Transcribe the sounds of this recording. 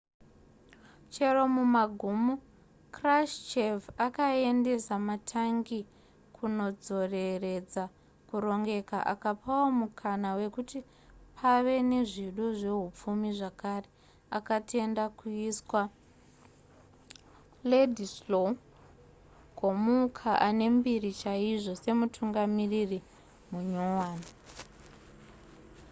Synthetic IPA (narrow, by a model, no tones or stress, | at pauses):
t͡ʃe̞ɾo̞mumaɡʱumu | kraʃt͡ʃevakae̞nde̞samatʰaŋɡi | kʰuno̞d͡zo̞re̞re̞d͡za | kuɾo̞ŋɡe̞ka̰ʔa̰kapʰawomukʰanawe̞kuti | pʰaʋe̞neʐiɗoʐe̞ɦup͡fumiʐakare | akate̞ndakuiswa | ledʱislo | komukʰaʔane̞mbirit͡ʃaiʐo̞se̞mutʰuŋɡamiriri | muɲowaːni